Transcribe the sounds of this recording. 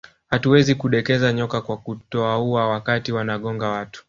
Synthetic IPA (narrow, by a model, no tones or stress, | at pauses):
hatuwɛzikuɗɛkɛzaɲɔkakwakutɔauawakatiwanaɠɔŋɡawatu̥